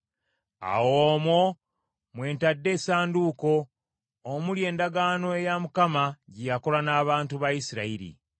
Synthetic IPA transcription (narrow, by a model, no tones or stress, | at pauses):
a̰woːmwo | mwe̞ːntadːe̞ːsaːnduːko̞ː | mulje̞ːndaɡaːno̞e̞jamukamaɟijako̞lanaːβaːntuβajisiɾaiɾḭ